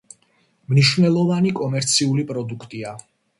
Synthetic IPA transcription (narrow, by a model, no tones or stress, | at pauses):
mniʃvnɛlˠɔvanikʼɔmɛɾt̪sʰiulipʼɾɔd̪ukʰt̪ʼia